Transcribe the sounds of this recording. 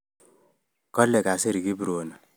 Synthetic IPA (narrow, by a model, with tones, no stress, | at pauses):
kɔ˦lːɛ˨ka˨se˦ɾi˨ki˦bu˨ɾo˨na˨